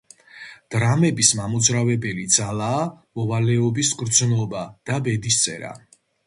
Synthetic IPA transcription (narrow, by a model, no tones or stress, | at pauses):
d̪̥ɾamɛbismamud̪zɾavɛbɛlid̪zalaː | mɔvalɛɔbisɡɾd̪znɔbad̪̥abɛd̪ist̪sʼɛ̰ɾa̰